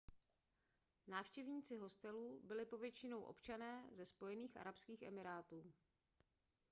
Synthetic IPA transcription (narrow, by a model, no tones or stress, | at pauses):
naːfʃcɛvɲiːt͡sɪɦo̞st̪ɛluːbɪlɪpo̞vjɛt͡ʃɪno̞wʔo̞̰pt͡ʃanɛːzɛspo̞jɛniːxʔa̰ɾapskiːxʔɛ̰mɪɾaːt̪uː